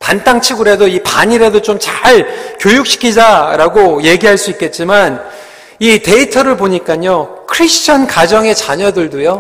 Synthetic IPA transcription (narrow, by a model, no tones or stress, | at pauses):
pant͈aŋt͡ɕʰiɡɯɾe̞doipaɲiɾedot͡ɕomt͡ɕaɭkjojuk̚ɕ͈ʰi̥kʰid͡ʑaɾaɡoje̞ɡiɦaɭs͈uik͈e̞t̚t͡ɕ͈iman | ite̞itʰʌɾɯɭpoɲik͈aɲokʰɯɾisʰt͡ɕʰʌnkad͡ʑʌŋe̞t͡ɕaɲʌdɯɭdojo